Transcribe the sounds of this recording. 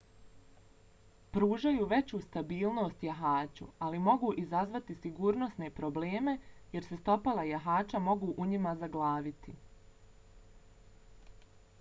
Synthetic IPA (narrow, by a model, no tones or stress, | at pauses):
pɾuːʒajuːʋe̞t͡ɕuːst̪abiːlˠno̞st̪jaɦaːt͡ɕṵalimo̞ɡuːʔizazʋat̪isiɡuːɾno̞sne̞pɾo̞ble̞ːme̞je̞ɾse̞st̪o̞palajaɦaːt͡ʃamo̞ɡuːʔuɲimazaɡlˠaːʋit̪i